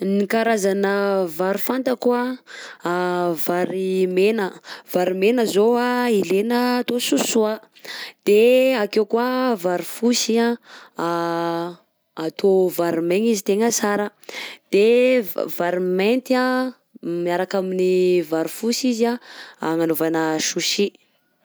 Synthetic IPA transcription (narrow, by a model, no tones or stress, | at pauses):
nikaɾazanəvaɾufant̪əkua | vaɾimenəv̥aɾimenəzoailenəːt̪osusua | d̪̥eakewkwavaɾifusia | at̪ʰovaɾimeɲizit̪eŋəsaɾəd̪̥evaɾiment̪ia | miaɾakaminivaɾifusizaŋanovanəʃuʃi